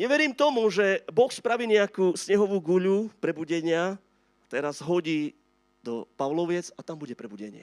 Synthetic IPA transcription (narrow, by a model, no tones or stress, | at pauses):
ɲɛʋɛɾiːmt̪ɔmuʒɛbɔxspɾaʋiːɲɛakuːsɲɛɦɔʋuːɡuʎupɾɛbuɟɛɲɪa | at̪ɛɾazɦɔɟiː | d̪ɔpaʋlɔʋɪɛd͡zat̪ambuɟɛpɾɛbuɟɛɲɪɛ̰